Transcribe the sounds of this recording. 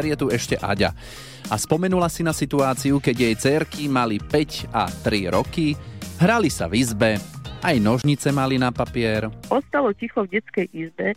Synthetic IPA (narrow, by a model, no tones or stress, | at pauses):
ɾɪjɛt̪uɛʃcɛʔa̰ɟa̰ | aspɔmɛnulasinasit̪uaːt͡siukɛɟjɛjt͡sɛɾkimalipɛcat̪ɾiɾɔkiɦɾalisa̰vizbɛʔajnɔʒɲit͡sɛmalinapapɪɛɾʔɔst̪alɔcixɔvɟɛt͡skɛjʔizbɛ